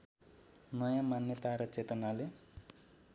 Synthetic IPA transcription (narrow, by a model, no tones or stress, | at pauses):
nʌjamanjʌt̪aɾʌt͡set̪ʌnale